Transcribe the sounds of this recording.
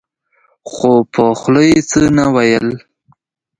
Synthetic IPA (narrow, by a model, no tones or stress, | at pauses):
xopʰoxləjet͡sənawajəl